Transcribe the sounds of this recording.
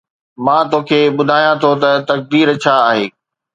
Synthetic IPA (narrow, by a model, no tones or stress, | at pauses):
mãːt̪oːkʰeːɓʊd̪ʱaːjãt̪ʰot̪ɐt̪ɐk̚d̪iːɾt͡ɕʰaːɦeː